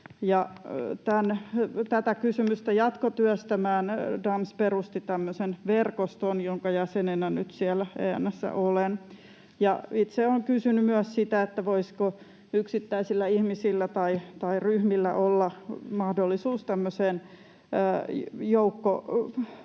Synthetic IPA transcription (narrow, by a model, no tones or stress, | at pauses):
jɑt̪ænt̪æt̪ækysymyst̪æjɑt̪kot̪yœst̪æmæːndɑmsperust̪it̪æmːøsenʋerkost̪onjoŋkɑjæsenenænyt̪siælæḛːæ̰nːæsːæ̰ʔolen | jɑit̪seoŋkysynymyæssit̪æet̪ːæʋoisko | yksit̪ːæisilːæihmisilːæt̪ɑit̪ɑiryhmilːæ̰ʔolːɑmɑhdolːisuːst̪æmːøseːnː | joukːo̰